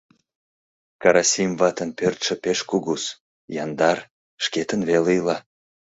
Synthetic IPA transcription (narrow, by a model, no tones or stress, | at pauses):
kɑɾɑsʲimvɑt̪ənpørt̪ʃə̆peʃkuɣus | jɑnd̪ɑr | ʃket̪ənvelɯjlɑ